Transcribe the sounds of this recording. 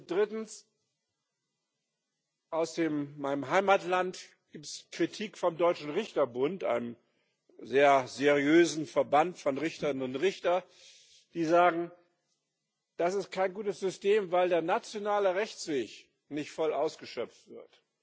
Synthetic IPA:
d̥ʁɪtn̩s | ʔaʊsd̥eːmːaɪnəmɦaɪmatlantɡ̥iːptskʁ̥itʰiːkfɔmdɔʏt͡ʃn̩ʁɪçtɐbʊntʔa̰ɪnəm | zeːɐzeʁiøːzn̩fɛɐbantfɔnʁɪçtɐnʊntʁɪçtɐ | d̥iːzaːɡŋ̩ | d̥asɪst̚kʰaɪnɡuːtəsz̥ʏsteːmvaɪldeːɐnat͡sjonaːləʁɛçt͡sv̥eːç | nɪçtfɔlʔaʊsɡ̥əʃœp͡ftv̥ɪɐt

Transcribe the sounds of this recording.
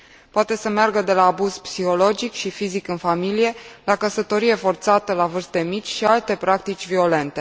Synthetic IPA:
poat̪e̞səmearɡəd̪e̞laːbuz̥psiho̞lo̞d͡ʒikʃifizikɨnfamilije̞lakəsət̪o̞ɾije̞fo̞rt̪sat̪əlavɨrst̪e̞mit͡ʃʲʃialt̪e̞pɾak̚t̪it͡ʃʲvio̞le̞nt̪e̞

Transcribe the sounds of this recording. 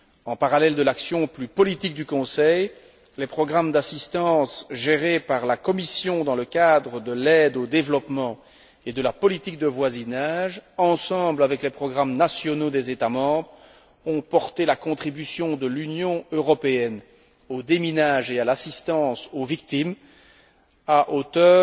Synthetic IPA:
ɑ̃paʁalɛld̪əlaksjɔ̃plypɔlit̪ik̚d̪ykɔ̃sɛj | lepχɔɡʁamd̪asist̪ɑ̃sʒeʁepaʁlakɔmisjɔ̃d̪ɑ̃ləkad̪ʁəd̪əlɛd̪od̪evlɔpmɑ̃ | ed̪əlapɔlit̪ik̚d̪əvwazinaʒɑ̃sɑ̃blavɛklɛpχɔɡʁamnasjɔnod̪ɛzet̪amɑ̃ːbʁ | ɔ̃pɔʁt̪elakɔ̃t̪χibysjɔ̃d̪əlynjɔ̃øʁɔpeɛn | od̪eminaʒealasist̪ɑ̃sovikt̪im | aʔot̪œː

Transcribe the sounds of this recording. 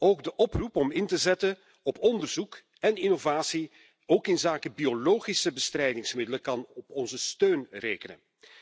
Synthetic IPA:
oːɡdəʔɔprupɔmɪntəzɛtən | ɔpɔndərzuk | ɛnɪnovaːsi | oːkɪnzaːkəbioloːχisəbəstrɛjdɪŋsmɪdələkɑnɔpɔnzəstøːnreːkənə̰n

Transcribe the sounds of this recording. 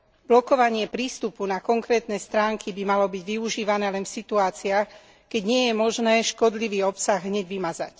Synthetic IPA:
b̥lɔkɔʋaɲɪɛpɾiːst̪upunakɔŋkɾɛːt̪nɛːst̪ɾaːŋkʰibimalɔbiɟʋiuʒiːʋanɛːlɛnfsit̪uaːt͡siax | kɛɟɲɪɛjɛmɔʒnɛːʃkɔd̪liʋiːɔpsaɣɦɲɛɟʋimaza̰c

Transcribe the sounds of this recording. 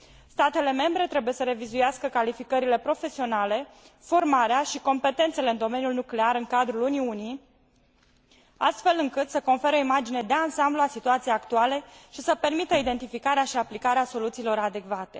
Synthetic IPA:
st̪at̪e̞le̞me̞mbɾe̞t̪ɾe̞buje̞səɾe̞vizujaskəkalifikəɾile̞pɾo̞fe̞sio̞nale̞ | fo̞rmaɾeaʃiko̞mpe̞t̪e̞nt̪se̞leɨnd̪o̞me̞njulnukle̞aɾɨŋkad̪ɾuluniuni | a̰st̪fe̞lɨŋkɨt̪səko̞nfe̞ɾəoimad͡ʒine̞d̪e̞ansambluasit̪uat̪sijejakt̪uale̞ʃisəpe̞rmit̪əid̪e̞nt̪ifikaɾeaʃiaplikaɾeaso̞lut̪siːlo̞ɾad̪e̞kvat̪e̞

